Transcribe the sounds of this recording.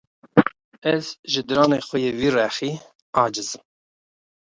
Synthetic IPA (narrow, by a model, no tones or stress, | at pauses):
ɛzʒɨd̪ɨɾɑːnexʷɛjeːwiːrɛxiː | ɑːd͡ʒɨzɨm